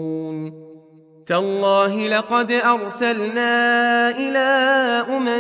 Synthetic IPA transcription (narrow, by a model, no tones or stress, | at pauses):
uːn | t̪alˤːɑːɦɪlɑqɑd̪ʔɑɾˤsalnaːʔɪlaːʔʊma